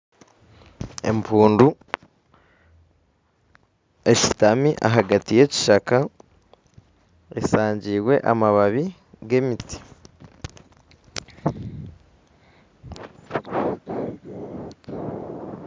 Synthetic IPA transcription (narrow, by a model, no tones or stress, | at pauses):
e̞̰mpʰuːndu | e̞ʃi̥tamiʔa̰ɦaɡatije̞ci̥ʃaka | esaːɲɟiːwe̞ʔamaβaβi | ɡe̞miti̥